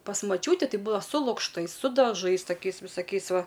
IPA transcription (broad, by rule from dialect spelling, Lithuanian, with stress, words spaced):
pɐs mɐˈt͡ʃʲuːtʲiː ˈtɐɪ ˈbuːdɐʋɐ sʊ lˠʊkʃˈtɐɪs sʊ dɐˈʒɐɪs tɐˈkʲɛɪs ʋʲɪsɐˈkʲɛɪs ˈʋɐ